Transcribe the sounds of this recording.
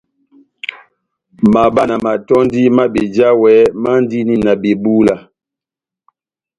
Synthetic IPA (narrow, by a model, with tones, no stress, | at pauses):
ma˨ba˨na˨ma˨tɔ˦n˦di˦ma˦be˨d͡ʒa˦wɛ˨˦ma˦n˦di˦ni˦na˨be˨bu˦la˨